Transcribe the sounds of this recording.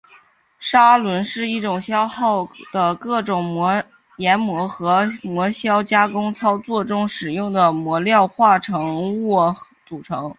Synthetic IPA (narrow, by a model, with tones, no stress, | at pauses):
ʂa˥lwə˧˥nʂɻ̩˥˧i˥˩ʈ͡ʂʊ˨˩ŋɕjɑ˥ʊxɑ˥˩ʊd̪̥ə˩kɤ˥˩ʈ͡ʂʊ˨˩ŋmwɔ˧˥ | jɛ˧˥nmwɔ˧˥xɤ˧˥mwɔ˧˥ɕjɑ˥ʊt͡ɕja˥kʊ˥ŋt͡sʰɑ˥ʊt͡swɔ˥˩ʈ͡ʂʊ˥ŋʂɻ̩˨˩jʊ˥˩ŋd̪ə˩mwɔ˧˥ljɑ˥˧ʊxwa˥˩ʈ͡ʂʰɤ˧˥ŋɔ˥˩t͡su˨˩ʈ͡ʂʰɤ˧˥ŋ